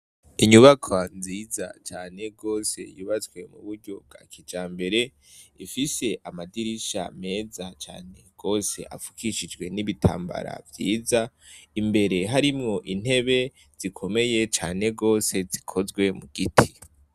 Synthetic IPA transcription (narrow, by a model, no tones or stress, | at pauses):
iɲuβakʰanziːza̰t͡ʃaːne̞ɡo̞ːse̞̰juːβat͡swe̞mṵβuɾɟo̞b̚ɡa̰ːkʰid͡ʒaːmbe̞ɾe̞ | ifise̞ʔamadiɾiʃa̰me̞ːzat͡ʃa̰ːne̞ɡ̥o̞ːse̞̰ʔa̰fu̥kʰiʃid͡ʒɡwe̞niβitʰa̰ːmba̰ɾa̰vjiːza | imbe̞ɾe̞ɦaɾimŋo̞ʔin̥he̞βe̞ | z̥ikʰo̞me̞je̞t͡ʃaːne̞ɡo̞ːse̞zikʰo̞zɡwe̞muɡ̥itʰi̥